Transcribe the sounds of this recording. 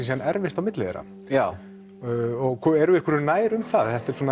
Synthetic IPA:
insɛanɛɾvɪst̪awmɪt̪lɪðɛ̰ɾa̰ | ɔɣkʰɔɛɾʏɛhkəɾʏnaːjɾʏmθaðθɛht̪ɛɾsɔːn

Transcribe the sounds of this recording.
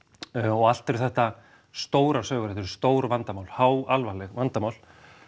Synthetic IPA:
ɔɣal̥t̪ɪɾɪθɛht̪a | st̪oːwɾḁsœːɣʏɾɛt̪ɛɾ̥st̪oːwɾvant̪amawlhawalvalɛɣvant̪amawl

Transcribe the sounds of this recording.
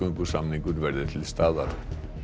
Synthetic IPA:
ʏŋkusamniŋkuɾvɛɾðɪt̪ʰɪlst̪aːða̰ɾ

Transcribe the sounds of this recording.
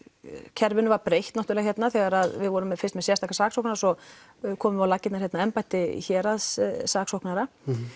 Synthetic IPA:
cʰɛɾvɪnʏvaɾpɾejht̪naht̪ʏɾlɛɣçjɛt̪naθɛɣaɾaðvɪðvɔɾʏmːɛðfɪrst̪mɛðsjɛst̪ʰakasaːksɔhknaɾasɔ | kʰɔːmʏmvɪawlacːɪt̪naɾ̥hçɛt̪naɛmpajht̪ɪçɛːɾaðssaːksɔhknaɾa

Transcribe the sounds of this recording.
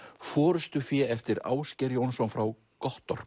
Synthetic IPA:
fɔːɾʏst̪ʏfjɛɛft̪ɪɾa̰ːwscɛɾjɪɔnsɔwmfɾaw | kɔht̪ɔr̥p

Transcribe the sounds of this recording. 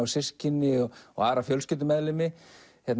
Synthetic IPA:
awsɪscɪnːɪɔɔ̰ɣaːɾafjœlscʏːt̪ɪmɛðlɪmɪ | θjɛt̪n

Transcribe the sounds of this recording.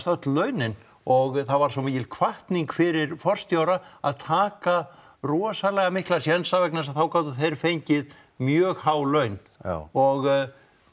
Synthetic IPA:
st̪œht̪lœɥnɪn | ɔɣθaðvaɾs̬ɔmiːcɪlkʰvaht̪niŋkfɪɾɪɾfɔr̥st̪joːwɾaa̰ðt̪ʰaːka | rɔːsalɛɣamɪhklasjɛnsavɛknas̬aðθawkaːwt̪ʏθejɾfejɲcɪð | mjœːɣhaːwlœɥn | ɔɣ

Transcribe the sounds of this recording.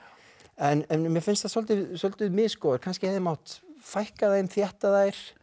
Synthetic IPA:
ɛnɛnmjɛfɪnst̪θasɔlt̪ɪsɔlt̪ʏðmɪːðskɔːðʏɾ̥kʰanscɪhɛðɪmawht̪fajhkaðejnθjɛht̪aðaːjɾ̥

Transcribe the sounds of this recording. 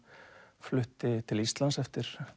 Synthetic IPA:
flʏht̪ɪt̪ʰɪlist̪lansɛft̪ɪɾ̥

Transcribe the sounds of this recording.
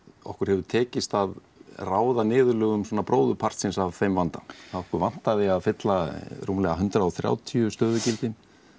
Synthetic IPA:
ɔ̰hkʏɾ̥hɛvʏt̪ʰɛːcɪst̪að | raːwðanɪːðʏlœːɣʏmsɔːnapɾʔoːwðʏpʰar̥t̪sɪnsavθejmvant̪aθaðɔhkʏɾvan̥t̪aðɪaðfɪt̪laɾuːmlɛɣaɦʏnt̪ɾaɔθɾja̰ːwt̪ʰiʏst̪œːðʏcɪlt̪ɪn

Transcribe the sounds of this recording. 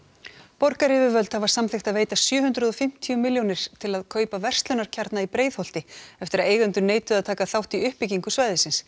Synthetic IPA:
pɔɾkaɾɪvɪvœlt̪havaɾ̥samθɪxt̪aðveːjt̪asjœːɦʏnt̪ɾʏðɔfɪm̥t̪ʰiʏmɪljownɪɾ̥t̪ʰɪlaðkʰœːɥpavɛr̥st̪lʏnaɾ̥cʰaɾt̪naipɾeːjðhowl̥t̪ɪɛft̪ɪɾaðeːjɣʏnt̪ʏneːjt̪ʏaðt̪ʰaːkaθawht̪iʏhpɪciŋkʏsvaːjðɪsɪns

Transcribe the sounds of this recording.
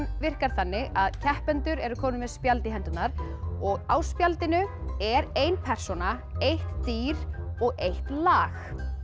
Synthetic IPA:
mvɪr̥kaɾ̥θanːɪʔaðcʰɛhpɛnt̪ʏɾɛɾʏkʰɔːmnʏmɛðspjalt̪ɪɦɛnt̪ʏt̪naɾ̥ɔɣaːwspjalt̪ɪnʏɛɾejnpʰɛr̥sɔnaejht̪ːiːɾɔɣejht̪laːx

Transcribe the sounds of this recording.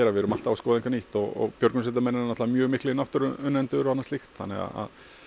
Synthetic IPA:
ɛɾavɪɾʏmalt̪aːaskɔːðiŋkʰvaniːht̪ɔɣɔ̰ɣpjœɾknʏsɛːt̪̬amɛnanat̪laðamjœːɣmɪhklɪnawht̪ʏɾʏʏnːɛnt̪ʏɾhanːast̪ɪxt̪hanːɪ̰ɣa̰a̰ð

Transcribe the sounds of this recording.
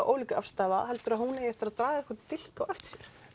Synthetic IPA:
wʔo̰ːwliːcʏafst̪aːða̰ɦɛlt̪ʏɾaðhunejɛft̪ɪɾaðt̪ɾaːjðɛhkɔt̪ʰɪl̥kawʔɛft̪ɪ̥sjɛɾ̥

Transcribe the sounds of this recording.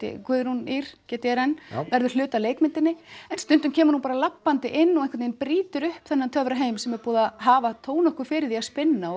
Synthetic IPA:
ɪ̰kʰvʏðɾhuniɾ̥cɛːt̪ɪɛɾɛnːvɛɾðʏɾ̥l̥ʏːt̪aleːjkmɪnt̪ɪnːɪɛnst̪ʏnt̪ʏmcʰɛːmʏɾhunpaːɾalapːant̪ɪʔɪnːɔɣɛnkvɛt̪njnpɾiːt̪ʏɾʏhpθɛnːant̪ʰœvɾaɦeːjmsɛmɛɾpɔːðaɦaːvat̪ʰoːwnɔhkʏfɪːɾɪðiaspɪnːaɔ

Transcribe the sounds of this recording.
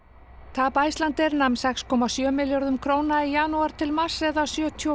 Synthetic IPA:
t̪ʰaːpaːjst̪lant̪ɪɾnamsɛkskʰɔːmasjœːmɪljɔɾðʏmkʰɾoːwnaijaːnuaɾ̥t̪ʰɪlmḁsɛðawsjœːt̪ʰiɔ

